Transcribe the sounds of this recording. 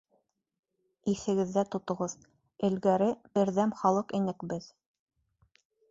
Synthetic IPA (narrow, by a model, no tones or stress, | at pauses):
iθɘ̆ɡɘ̆ðːæt̪ŏt̪ŏʁɤð | ɘ̆lɡæɾɘb̥ɘ̆ɾðæmχɑlˠɤqinɘ̆kbɘð